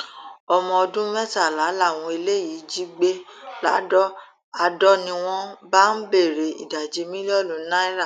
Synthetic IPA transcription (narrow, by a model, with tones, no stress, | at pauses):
ɔ˧mɔ̃˧ɔ˧dũ˦mɛ̃˦ta˦˨la˨˦la˦˨w̃ɔ̃˧e˧le˦ji˨˦d͡ʒi˦ɡ͡be˦la˨˦dɔ˦ | a˧dɔ˦nĩ˧w̃ɔ̃˦ba˦n̩˦be˦˨ɾe˨ḭ˨da˨d͡ʒe˧˦mĩ˦le˦ɔ˦˨lu˨˦nã˦i˦ɾa˦˨